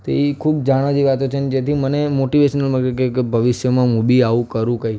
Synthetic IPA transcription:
t̪oikʰubd͡ʒaɽ̃ad͡ʒiʋat̪ot͡ʃʰened͡ʒet̪ʰimənemoʈiʋeʃənəlmãkekekebʱəʋɪʃjəmãmubiaʋũkəɾũkəi

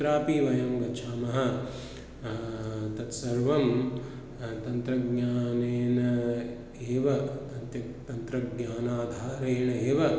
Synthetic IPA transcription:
ɾaːpiʋɐjɐmɡɐt͡ʃʰaːmɐɦɐ̆ | t̪ɐt̪sɐɾʋɐm | t̪ɐnt̪ɾɐɡɲaːneːnɐ | eːʋɐɐt̪ɐ | t̪ɐnt̪ɾɐɡɲaːnaːd̪ʱaːɾeːɳɐeːʋɐ

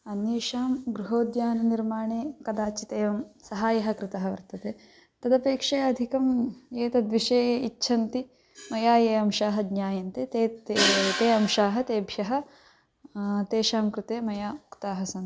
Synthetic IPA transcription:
ɐnjeːʃaːmɡɾuɦoːd̪jaːnɐniɾmaːɳeːkɐd̪aːt͡ʃit̪eːʋɐmsɐɦaːjɐɦɐ̆kɾɪt̪ɐɦɐʋɐ̰ɾt̪ɐt̪eː | t̪ɐd̪ɐpeːkʂɐjɐd̪ʱikɐmeːt̪ɐd̪ʋiʂeːjɐiʃʰɐnt̪i | mɐjaːjeːɐmʃaːɦɐd̪ɲaːjɐnt̪eːt̪eːt̪eːɐmʃaːɦɐt̪eːbʱjɐɦɐ̆ | t̪eːʃaːmkɾɪt̪eːmɐjaːukt̪aːɦɐsɐn

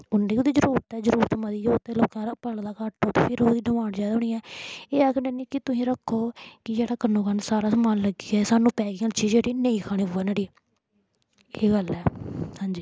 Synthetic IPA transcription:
ʊnːeiːoːd̪iːd͡ʒəɾuːɾt̪ɛːd͡ʒəɾuːɾət̪mãːd̪iːd͡ʒoːt̪eloːkãːpəld̪aːkaʈːõːt̪eːpʰɪɾod̪iːɖəʋaːɽd͡ʒaːd̪ʊɳĩːɛːeːɛːkʰɳenĩːkɪt̪ʊsĩːɾəkʰːoːkɪd͡ʒeːɽaːkənõːkənsaːɾaːsəmaːnləɡiːɛːsaːnũːpɛːɡiːaːnt͡ʃiːd͡ʒeːɽiːneĩːkʰaːɽ̃ĩːʊʋənaːɽiː | eːɡəlɛːhãːɲd͡ʒiː

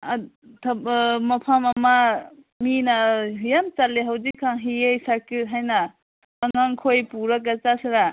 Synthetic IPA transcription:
tʰmɐpʰamɐma | minajamt͡ʃalːeɦawzikʰːaŋɦiejsakit̚ɦajnaː | ŋaŋkʰojpuɾak̬at͡ʃasiɾa

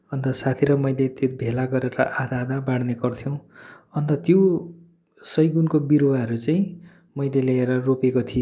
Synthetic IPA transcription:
ʌnt̪ʌsat̪ʰiɾʌmʌjlet̪ebʱelaɡʌɾeɾʌ̰ʔad̪aːd̪abaɽnekʌrt̪ʰjow̃ | ʌnt̪ʌt̪jo | sʌjɡunkobiɾwaɦʌɾut͡saĩ | mʌjleleeɾʌropekot̪ʰi

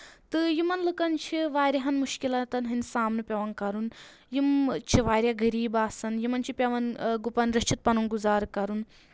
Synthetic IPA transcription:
t̪ɨjimɐnlɨkɐnt͡ʃʰiʋaːɾʲɐɦɐnmuʃkilɐt̪ɐnɦɨnʲsaːmnɨpʲɐʋɐnkɐɾun | jimt͡ʃʰiʋaːɾʲjaɡɐɾiːbaːsɐnjimɐnt͡ʃʰipʲɐʋɐnɡupɐnɾɐt͡ʃʰit̪̚pɐnunɡuzaːɾkɐɾun

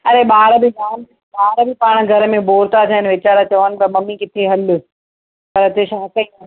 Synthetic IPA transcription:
ɐɾeɓaːɾbʱɪɗaːn | ɓaːɾbɪpaːɽ̃ɡʱɐɾəmẽboːɾt̪at̪ʰiaɦɪnʋɪt͡ɕaːɾat͡ɕɐʋənɪ̆pɐɾmɐmikɪt̪ʰeɦɐl | pɐɾɐt̪eʃaːkɐĩ

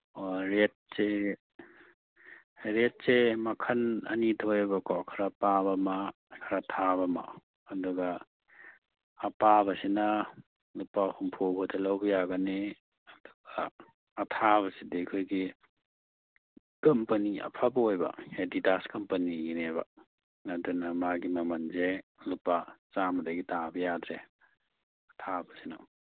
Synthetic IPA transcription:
ɾet̚se | ɾet̚semɐkʰɐnɐ̰nitʰojbɐkakʰaɾapabɐma | kʰaɾatʰabɐma̰ | ɐduɡɐ | pabɐsinɐ | lupahumpʰobɔdɐlawbɐjaɡane | ɐduɡaː | tʰaβɐsidekʰojɡi | kɐmpɐniɐ̰pʰabɐojbɐ̰hedidaskɐmpɐnijinebɐ̰ | nɐdunɐmaɡimɐmɐnzelupat͡ʃamɐdaɡitabɐjadɾe | ɐtʰabɐsinɐ̰

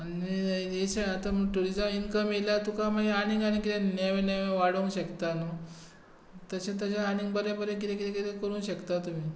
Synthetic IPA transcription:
anieseat̪am̤əɡʈuɾid͡zəminkəmelat̪ukamaɡeaniŋɡaɽ̃ikit̪ẽnaʋẽnaʋeʋaɽəŋɡɕəkt̪ano | t̪əsẽt̪̬ət͡ɕaaniŋɡbəɾebəɾẽk̬it̪ʰẽkit̪ẽkit̪ekəɾuːnɕəkt̪at̪um̤iː

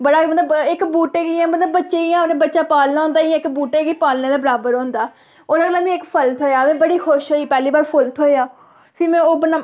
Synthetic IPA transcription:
bəɽaːmət̪ləbɪkbuːʈeːɡiːɛ̃ːmət̪ləbːətːʃeːiãːnẽːbətːʃaːpaːlnaːɦõːnd̪aːiãːɪkbuːʈeːɡiːpaːlnẽːd̪aːbəɾaːbəɾɦõːnd̪aː | oːɾaːɡəlaːmĩːɪkpʰəlt̪ʰɦoːjaːmɛ̃ːbəɽiːxʰʊʃɦoːiːpɛːliːbaːɾpʰəlt̪ʰɦoːeaː | pʰɪɾmɛ̃ːoːbəna

